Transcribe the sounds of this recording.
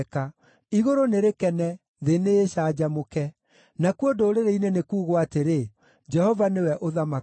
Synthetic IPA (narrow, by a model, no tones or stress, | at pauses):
ka | iɣoɾoneɾekɛnɛ | ðeneːʃaːd͡ʑamokɛ | nakuodoːɾeɾeinenekuːɣoateɾe | d͡ʒɛhɔvanewɛʔoðama